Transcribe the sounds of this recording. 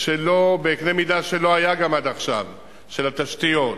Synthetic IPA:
ʃelo̞beːknemid̪aʃe̞lo̞ajaɡamad̪aχʃa̰v | ʃe̞lat̪aʃtijo̞t

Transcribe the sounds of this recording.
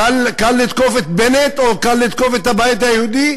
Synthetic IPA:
alkalːit̪kofet̪̚benet̪okalːit̪̚kofet̪abajt̪ajehud̪i

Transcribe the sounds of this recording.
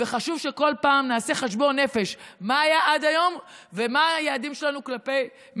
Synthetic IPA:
veχaʃuvʃe̞ko̞lpaːmnaːse̞χeʃ̬bo̞ne̞feʃmaːjaʔad̪ajo̞mvemaajaːdimʃelanuklape̞j

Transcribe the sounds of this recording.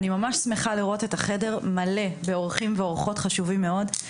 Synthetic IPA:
nimamaʃsmeχaliʁo̞te̞taχe̞de̞ʁmɐle̞be̞oʁχimveo̞ʁχo̞tχaʃuvimːeo̞d

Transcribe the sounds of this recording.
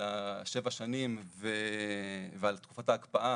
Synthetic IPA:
aʃe̞vaʃanimve | vealt̪ku̥fataːkbaʔa

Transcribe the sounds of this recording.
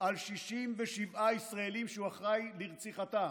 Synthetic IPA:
ʔalʃiʃimveʃivaisʁaelimʃeuaχʁajliʁt͡siχat̪a

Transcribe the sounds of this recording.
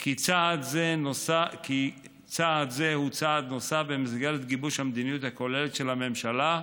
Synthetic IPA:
kʰit͡saʔːd̪zenosaki | t͡saːd̪ze̞hut͡saad̪nosafbemisɡelet̪ɡibuʃhamd̪inijut̪hako̞le̞let̪ʃe̞lame̞mʃala

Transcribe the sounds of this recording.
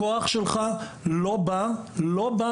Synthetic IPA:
oaχʃelχalobaloba

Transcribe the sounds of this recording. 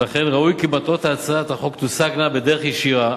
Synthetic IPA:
laχenʁaujkibat̪ot̪aːt͡sat̪aχo̞kt̪usaknabed̪eeχjeʃiʁa

